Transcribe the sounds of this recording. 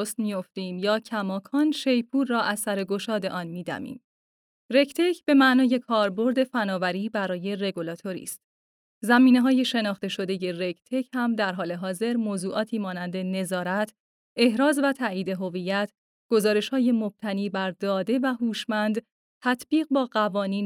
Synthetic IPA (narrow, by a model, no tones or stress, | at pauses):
st̪mijo̞ft̪iːmjɒːcʰæmɒːkʰɒːnʃe̞jpʰuːɾːɒːʔæzsæɾe̞ɡo̞ʃɒːd̪e̞ʔɒːnmiːd̪æ̰mḭːm | re̞ct̪ʰecʰb̥e̞mæʔnɒːje̞kʰɒːɾbo̞ɾd̪e̞fænɒːvæɾiːbæɾɒːje̞re̞ɡolɒːt̪ʰo̞ɾḭːst̪ | zæmiːneɦɒːje̞ʃe̞nɒːχt̪e̞ʃo̞d̪e̞je̞recʰt̪ʰechæmd̪æɾɦɒːle̞ɦɒːze̞ɾmoːzuːʔɒːt̪ʰiːmɒːnænd̪e̞ne̞zɒːɾæt̪ʰ | e̞hɾɒːzvæt̪ʰæːʔiːd̪e̞ɦo̞vijːæt̪ʰ | ɡ̥o̞zɒːɾe̞ʃhɒːje̞mob̥̚t̪ʰæniːbæɾd̪ɒːd̪e̞væɦuːʃmænd̪ | t̪ʰæt̪ʰbiːɣ̚bɒːɢævɒːniːn